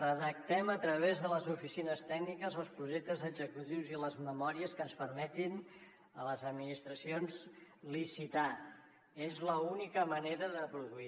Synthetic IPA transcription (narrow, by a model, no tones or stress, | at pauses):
rəðək̚t̪ɛmət̪ɾəβ̞ezðələzufisinəst̪ɛɡnikəzəlˠspɾuʒek̚t̪əzəɡzəkut̪iwziləzməmɔɾiəskənspəɾmɛt̪in | ələzəd̪minist̪ɾəsionzlisit̪a | ezləunikəməneɾəðəpɾuðui